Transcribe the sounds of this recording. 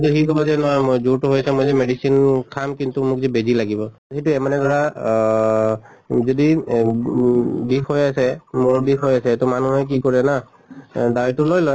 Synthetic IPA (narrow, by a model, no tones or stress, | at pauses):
knt̪uɦikʰɔbɔzɛnɔzuɹtʊɦojasɛmojzɛmeɖisinkʰamkintumʊk̚zɛbezilaɡibɔ | hituɛmanɛdɔɹa | zɔdi | dikʰojasɛmʊɹbikɦojasɛtʊmanuɦɛk̬ikoɹɛna | dawtʊlojlɔj